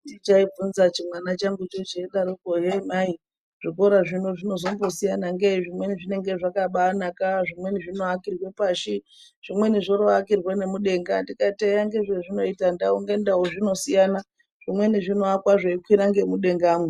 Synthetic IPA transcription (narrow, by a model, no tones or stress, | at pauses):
dit͡ʃaib͡vunzat͡ʃimwanat͡ʃaŋɡut͡ʃot͡ʃeɗaɾokoɦemai | ʐ̥iko̞ɾaʐinoʐino̞zo̞mbo̞sijanaŋɡeiʐimwe̞niʐine̞ŋɡe̞ʐakaɓanakaʐimwe̞niʐino̞akirwe̞paʃi | ʐ̥imwe̞niʐoɾoakirwane̞muɗe̞ŋɡandikateɾaŋɡe̞ʐeʐino̞itandauŋɡendaoʐino̞sijana | ʐ̥imwe̞niʐino̞akwaʐaikwiɾaŋɡe̞muɗe̞ŋɡaːme